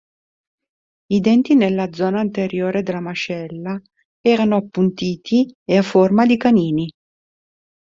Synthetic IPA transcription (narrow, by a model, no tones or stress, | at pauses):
id̪ɛnt̪inelːad̪zɔːnaint̪eɾjoːɾed̪elːamat͡ʃɛlːa | ɛːɾanoapːunt̪iːt̪ʰieafːormad̪ikaniːni